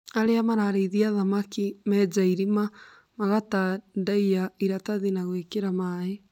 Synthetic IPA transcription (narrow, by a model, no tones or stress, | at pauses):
aɾeamaɾaɾeiðiaðamakimɛd͡ʒaiɾima | maɣatandaiaiɾataðinaɣwekeɾamae